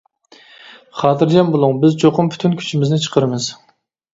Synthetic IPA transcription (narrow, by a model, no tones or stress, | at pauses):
χɑːt̪ʰɨɾd͡ʒɛmbolˠuŋbɪzt͡ʃʰoqʊmpʰy̥t̪ʰynkʲʰy̥t͡ʃʰimɪznɪt͡ʃʰə̥qʰəɾɨmɨz̥